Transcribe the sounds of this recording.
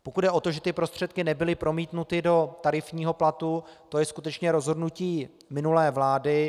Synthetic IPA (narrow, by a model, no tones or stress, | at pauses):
pokud̪dɛʔo̞t̪oʒɛt̪ɪpɾo̞st̪r̝̥ɛt̪̚kɪnɛbɪlɪpɾo̞miːt̪nut̪ɪdo̞t̪aɾɪfɲiːɦo̞plat̪ut̪o̞jɛskut̪ɛt͡ʃɲɛɾo̞zɦo̞dnuciː | mɪnulɛːvlaːdɪ